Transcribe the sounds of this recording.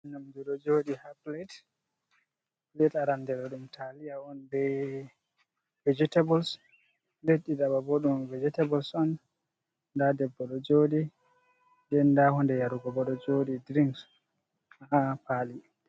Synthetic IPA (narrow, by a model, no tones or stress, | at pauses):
namd͡ʒuɗɔd͡ʒoɗihaplet | h | plɛtaɾandɛɗɔɗumtʰalijaɔnbɛ | vɛd͡ʒitabɔls | leɗːidababoɗumvɛd͡ʒɛtabɔlsɔn | dadɛbːɔɗɔd͡ʒoɗi | ndɛndahɔndɛjaɾuɡɔbɔɗɔd͡ʒoɗidɾiŋks | aapali